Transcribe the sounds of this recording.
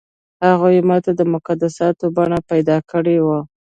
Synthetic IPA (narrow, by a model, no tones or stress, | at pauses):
haɣojmat̪ad̪əmʊkad̪asɑt̪obɑɳapajd̪ɑkəɽewa